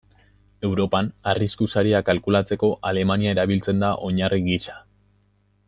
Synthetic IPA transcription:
e̞wɾo̞panariskusaɾiakalkulat͡se̞ko̞ʔale̞maniaeɾaβ̞ilt͡se̞nd̪aʔo̞ɲariɣisḁ

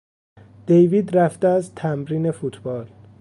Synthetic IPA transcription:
d̪̥ejviːd̪ɾæft̪eæzt̪ʰæmɾiːne̞fut̪ʰb̥ɒːl

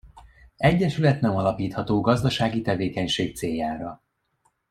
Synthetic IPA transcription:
ɛɟːɛʃylɛt̪nɛmɒlɒpiːt̪hɒt̪oːɡɒzd̪ɒʃaːɡit̪ɛveːkɛɲʃeːk̚t̪seːjːaːɾɒ

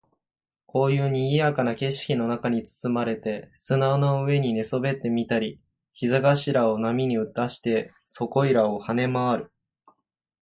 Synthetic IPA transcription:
ko̞ːjɯ̟ːɲ̟iɡʲijakanake̞ɕi̥kʲino̞nakaɲ̟it͡sɨ̥t͡sɨmaɾe̞t̪e̞sɨnaonoɯ̟e̞ɲ̟ine̞so̞be̞t̪ːe̞mʲit̪aɾʲi | çizaɡaɕiɾao̞namʲiɲ̟iɯ̟t̪aɕi̥t̪e̞ | so̞ko̞iɾao̞hane̞maβaɾɯ̟

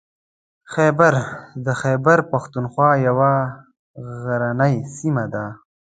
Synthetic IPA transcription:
xeːbəɾd̪əxeːbəɾpaxt̪unxwɑːjawa | ɣaɾanəjsimad̪a

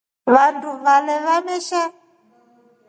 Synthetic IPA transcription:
βanduvalɛβamɛʃa

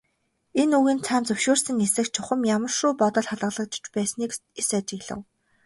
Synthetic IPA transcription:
enuɣĭːnt͡sʰaːnt͡sɵwʃoːrsɘ̆ŋesɘ̆kt͡ɕʰʊχə̆mjamə̆r̥ʃuːpɔt̪ɞ̆ɮχaɮʁə̆ɮə̆k̚t͡ɕt͡ɕpæːsniːkesat͡ɕɪ̆ɣɮə̰̆w

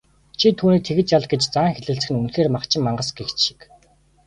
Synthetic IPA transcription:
t͡ɕʰit̪ʰuːniːk̚t̪ʰeɣɘ̆t͡ɕjaɮɡet͡ɕt͡saːŋxeɮɘ̆ɬt͡sɘ̆xɘ̆nunxeːrmaχt͡ɕʰɪ̆mːaɴɢə̆sɡext͡ɕʃi̥k

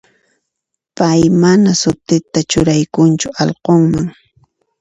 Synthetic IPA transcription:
pajmanasʊt̪ɪt̪at͡ʃʊɾajkʊnt͡ʃʊɑlqoŋmaŋ

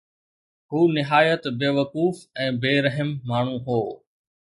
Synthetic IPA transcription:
huːnɪɦaːjət̪beːʋɐkuːfɛ̃ːbeːɾɐɦəmːaːɳ̤ũɦoː

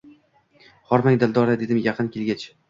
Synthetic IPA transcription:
χɒɾmaŋʲd̪ɪlˠd̪ɒɾad̪e̞d̪ɪmjɑqʰɨnkʲʰelɡʲat͡ʃ

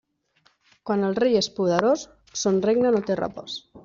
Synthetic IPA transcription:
kwanəlˠrejespuðəɾosː | onreɡnənot̪era̰pos

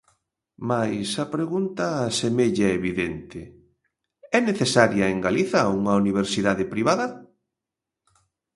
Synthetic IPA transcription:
majsɐpɾeɣunt̪ɐːsemeʎaeβiðent̪ɪ | ɛneθesaɾjɐeŋɡaliθɐuŋɐuniβeɾsiðaðɪpɾiβaðɐ

